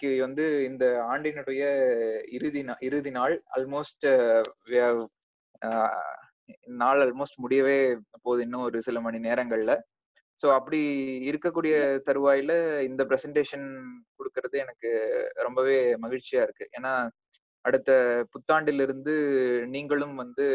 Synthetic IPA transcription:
kːɯʋɐnd̪ɯɪnd̪ɐaːɳɖɪnɐɽɯjɐɪɾɯðinʔɪɾɯðinaːɭɐ̰lmoːsʈʋ | naːɭɐlmoːsʈmʊɽɪjɐʋeːpoːðɯɪnːɯ̃ɔɾɯsɪlɐmɐɳineːɾɐŋɡɐɭlɐ | soːɐpːɐɽiɪɾɯkːɐkːuːɽɪjɐt̪ɐɾɯʋaːjɪlɐɪnd̪ɐpɪɾɛsɐɳʈeːʂɐnkɔɽɯkːɯɾɐðɯɛnɐkːɯɾɔmbɐʋeːmɐɣɪɻt͡ʃːɪjaːɪɾɯkːɯʔeːnːaː | ɐɽɯt̪ːɐpʊt̪ːaːɳɖɪlɪɾɯnd̪ɯniːŋɡɐɭɯmʋɐnd̪ɯ

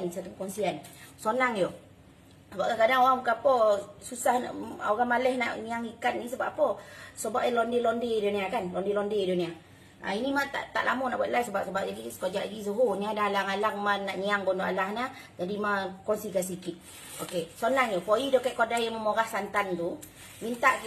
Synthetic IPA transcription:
nisat̪upəkɔnsiansonaŋjo | səbaʔkakadaŋoɣaŋməkapɔsusahna̰oɣamalɛhna̰ʔɲiaŋikannisəba̰ʔpɔsəbaʔjalɔndelondeiduniakanlɔndelɔndedunia | a̰inimat̪a̰ʔt̪a̰ʔlʔamɔnaʔbuat̪̚lajsəbaʔsəbaʔ̚d͡ʒadiskod͡ʒaʔidis̬əɦuniadaalaŋalaŋmanaʔɲiaŋbɔndoʔalahna | d͡ʒadimakɔnsikans̬ikit̪̚ | okesonaŋjopoidokɛʔkodajaməmoɣahsant̪ant̪u | mint̪aʔ

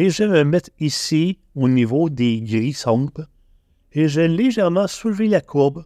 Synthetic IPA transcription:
eʒəməmɛt̪χisi | onivod̪eɡʁisɑ̃b | eʒeleʒɛʁmɑ̃sulvelakʰuʁb

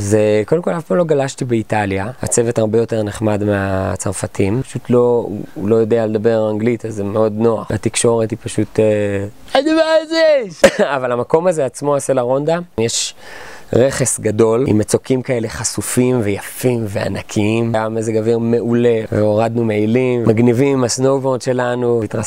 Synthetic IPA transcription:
zeko̞demkolafpaːmloɡalaʃtibeitaljaa̰t͡se̞vetaʁbejo̞te̞ʁneχmadmeat͡saʁfatʰimpaʃutʰlo̞ṵlo̞jo̞dealed̪abe̞aŋɡlitazemeo̞dno̞a̰χatikʃo̞ʁetipaʃute | animazeʃavalhamako̞mazeat͡smo̞aselaʁo̞nd̪ajeʃ | ʁe̞χe̞sɡado̞lḭmet͡so̞kimkae̞le̞χasufimve̞jafimvea̰nakʰiimɡamezeɡaviʁme̞ʔule̞veoʁad̪numeilimmaɡnivimmasnowvodʃe̞lanuitʁa

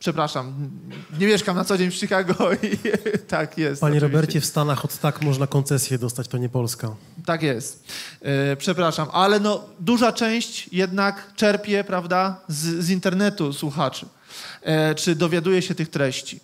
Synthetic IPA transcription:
pʂɛpɾaʂamɲɛmʲjɛʂkamnat̪sɔd͡ʑeɲfʂikaɡɔit̪akjɛst̪paɲɔɛɾɔvibɛɾt͡ɕɛfst̪anaxɔt̪t̪akmɔʐnakɔnsɛsʲjɛd̪ɔst̪at͡ɕt̪ɔɲɛpɔlska | t̪ːakjɛst̪ | pʂɛpɾaʂamʔalɛnɔd̪uʐat͡ʂɛ̃w̃ɕt͡ɕjɛd̪nakt͡ʂɛɾpʲjɛpɾavd̪azzint̪ɛɾnɛt̪uswuxat͡ʂɘ | t͡ʂɘd̪ɔvʲjad̪ujɛɕɛt̪ɘxt̪ɾɛɕt͡ɕi

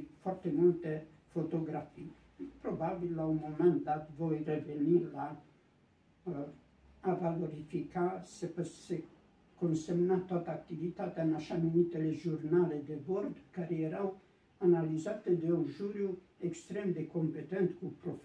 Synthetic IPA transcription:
fɔɾt̪emult̪efot̪oɡɾafi | pɾobabilːaumomɛ̃nt̪̚d̪at̪vɔjreveniɾla | valoɾifikasepəse | kõnsemnat̪wat̪aːk̚t̪ivit̪at̪anaʃamunit̪eleʒuɾnaled̪ebɔɾd̪kaɾeeɾaw | analizat̪ed̪eunʒuɾju | ekst̪ɾemd̪ekompet̪ɛ̃nt̪kupɾof

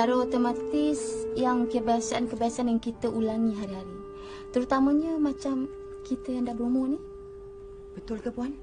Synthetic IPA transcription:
aɾot̪əmat̪ɪsjaŋkəbaasaʔankəbaasanjaŋkit̪əʔulaŋĩɦaɾiɦaɾi | t̪əɾut̪aməɲəmat͡ʃam | kit̪əjaŋdahbəɾumonih | bət̪ʊlkəpuan

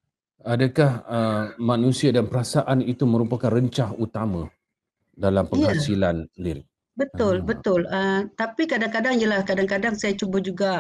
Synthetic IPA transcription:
adakahəmãnũsiadanpəɾasaʔanit̪umə̃ɾupakanrəɲt͡ʃahut̪amã | dalampəjhasilanəndiɾi | bət̪ʊlbət̪ʊlət̪apikadaŋkadaŋijəlahkadaŋkadaŋsajat͡ʃubəd͡ʒuɡa

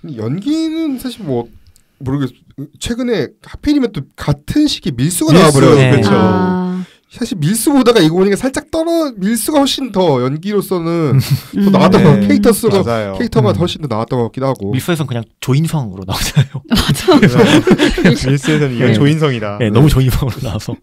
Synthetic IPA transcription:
kɯndjʌnɡinɯnsʰaɕʰiɭmwʌ | moɾɯɡes | t͡ɕʰwe̞ɡɯne̞kʰapʰeɾimjʌnt͈okatʰɯnɕʰi̥ɡemiɭs͈uɡaaaboɾʌjokɯɭt͡ɕʰo | sʰaɕʰiɭmiɭs͈ubodaɡaiɡʌboɲik͈asʰaɭt͡ɕ͈ak̚t͈ʌɾʌmiɭs͈uɡahʌɕ͈ʰintʌjʌnɡiɾos͈ʌnɯntʌnawat͈ʌɡʌkʰe̞itʰʌs͈ɯɡad͡ʑajjokʰeitʰʌɡahʌɭɕ͈indʰʌnawat͈ʌŋɡʌak͈idɦaɡoiɭs͈uesʰʌkɯɲaŋt͡ɕoinsʰaŋɯɾonaad͡ʑajoad͡ʑ | miɭs͈uesʰʌnɯniʌt͡ɕoinsʰʌŋidaajenʌmut͡ɕoinsʰaŋɯɾona̰asʰʌ

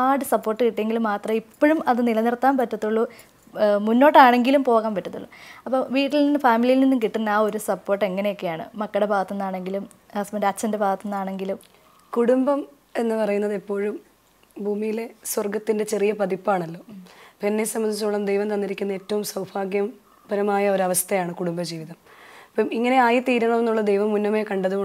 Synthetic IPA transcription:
aːɽɨsɐpːo̞ːrʈːɨkiʈːeŋɡilumːaːt̪rɐmipːoɻumɐðɨnilɐnirt̪ːaːmpɐtːɐt̪ːuɭːu | munːo̞ːʈːaːɳe̞ŋɡilumpo̞ːɣaːmpɐtːɐt̪ːṵɭːɐ̰ɐpːoʋiːʈːilninːɨfaːmilijilninːumkiʈːinːaːo̞ɾusɐpːo̞ːrʈːe̞ŋːɐnejo̞kːe̞jaːɳɨ̰mɐkːɐɽebʱaːɣɐt̪ːɐnːaːɳe̞ŋɡilum | asmɐɾɐt͡ɕːɐndebʱaːɣɐt̪ːonːaːɳe̞ŋɡilum | kuɽumbɐm | e̞nːɨpɐrɐjunːɐðepːo̞ːɻum | bʱuːmijile̞swɐrɡɐt̪ːinde̞t͡ɕe̞rijɐpɐðipːaːɳɐlːo̞ːpinːesɐmːɐnd̪it͡ɕːuɭːɐmd̪ejʋɐmt̪ɐnːiɾikʲːunːɐe̞ːtːɐʋumsɐwbʰʱaːɡjɐm | bɐɾɐmaːjɐo̞ɾɐʋɐst̪ɐjaːɳɨkuɽumbɐd͡ʑiːʋiðɐmpːɐmiŋːɐne̞aːjit̪iːɾɐɳɐmenːuɭːɐd̪ejʋɐmːunːɐmeːkɐɳɖɐðuko

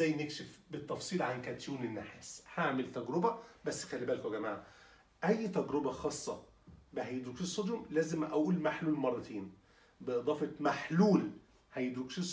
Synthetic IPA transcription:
æjːnekʃefbet̪ːɑfsˤiːlʕankæt̪juːnenːaħeshaʕmelt̪æɡɾobæbæsːxælːibæːlkæɡæmaʕa | ʔæjːt̪æɡɾobæxɑːsˤːɑ | beɦæjd̪ukʃisˤːod̪jomlæːzemʔæʔuːlmaħluːlmɑrˤːɑt̪ʰeːn | beʔɨd̪ˤɑːfemaħluːl | hæjd̪ukʃisˤ

